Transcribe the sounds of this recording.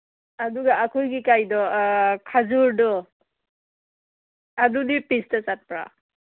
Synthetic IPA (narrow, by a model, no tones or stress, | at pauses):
aduɡaːkʰujɡikajdɔkʰazuɾdɔ | dudipistat͡ʃat̚pɾa̰